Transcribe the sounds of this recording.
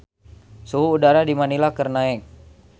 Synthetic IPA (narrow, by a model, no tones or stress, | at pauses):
suɦuːdaɾadimanilakərnaɛk̚